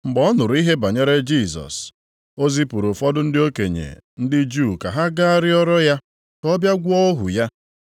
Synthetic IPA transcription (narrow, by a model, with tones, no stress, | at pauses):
ŋ͡m̩˨ɡ͡bɔ˦ɔ˦nʊ˨ɾʊ˨i˦ɦe˦ba˨ɲe˦ɾe˦d͡ʒi˦˨zɔ̰˨s | o˦zi˦pu˨ɾu˨fɔ˦dʊ˦n̩˦dɪ˦o˦ke˨ɲḛ˨n̩˦dɪ˦d͡ʒu˦˨ka˨ɦa˦ɡa˦a˦ɾɪ˦ɔ˦ɾɔ˦ja˦ | kɔ˦bja˦ɡʷʊ˦ɔ˦ɦʊ̰˨ja˦